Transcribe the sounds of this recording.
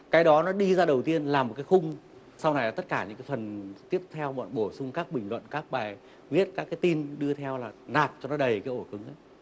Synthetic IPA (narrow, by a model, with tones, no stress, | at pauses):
kaː˨˦jɗɔ˨˦nɔ˨˦ɗi˧zaː˧ɗə˨˩wt̪i˧ənlaː˨˩mo˨˩t̚kaː˨˦xʊ˧ŋ͡m | sa˧wna˨˩jlaː˨˩t̪ə˦˥t̚kaː˧˩ɲɨ̰˧˥ŋkaː˨˦fə˨˩nt̪i˦˥əp̚t̪ʰɛ˧wɓɔ̰˧˨nɓo˧˩sʊ˧ŋ͡mkaː˦˥k̚ɓï˨˩ŋ̟lwə̰˧˨nkaː˦˥k̚ɓaː˨˩j | wi˦˥ət̚kaː˦˥kːaː˨˦jt̪i˧nɗɨ˧ət̪ʰɛ˧wlaː˨˩naː˨˩p̚t͡ɕɔ˧nɔ˨˦ɗə˨˩jkaː˨˦jʔo˧˩kɨ˨˦ŋʔa˨˦j